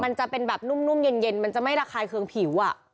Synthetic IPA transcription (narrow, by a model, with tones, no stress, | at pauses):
ma˧nt͡ɕa˨˩ʔpe˧nbɛː˨˩p̚nu˥˩mnu˥˩mje˧nje˧nma˧nt͡ɕa˨˩ʔma˥˩jɾaː˧kʰaː˧jkʰɯ˧ŋpʰiː˩˦wʔa˨˩